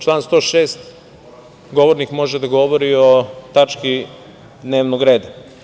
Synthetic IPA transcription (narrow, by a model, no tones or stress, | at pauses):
t͡ʃlˠaːnst̪o̞ːʃeːst̪ | ɡo̞ʋoɾnikmo̞ʒed̪aɡo̞ʋoɾio̞t̪at͡ʃki | d̪ne̞ːʋnoɡɾe̞ːd̪a